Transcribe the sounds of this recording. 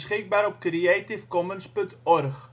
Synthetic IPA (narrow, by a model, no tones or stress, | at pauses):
sχɪk̚baːɾɔp̚kriətifkɔmənspɵntɔrχ